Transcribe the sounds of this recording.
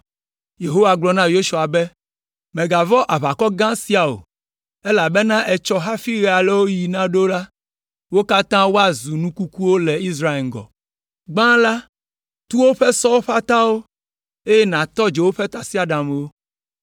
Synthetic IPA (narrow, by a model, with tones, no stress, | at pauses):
je˨ɦo˦wa˨ɡ͡blɔ˨nã˦jo˦ʃu˨a˨bɛ˦ | mẽ˨ɡa˨vɔ˦ʔa˨βa˨kɔ˦ɡã˦si˦a˨o̰˨ | e˦la˨bɛ˦nã˦ʔɛ˨t͡ʃɔ˦ɦa˦fi˦ɣɛ˨a˨lɛ˦wo˦ji˨nã˦ɖo˦la˦ | wo˦ka˦t̪ã˦wo˦a˨zu˨nũ˦ku˦ku˦wo˦lɛ˨i˦sɾa˦e˨ɡɔ̰˨ | ɡ͡bã˦la˦ | t̪u˦wo˦ɸɛ˦sɔ˦wo˦ɸa˦t̪ã˦wo˦ | e˦jɛ˦nã˨t̪ɔ˦d͡ʒe˨wo˦ɸɛ˦t̪a˨si˦a˨ɖã˨m˨wo˦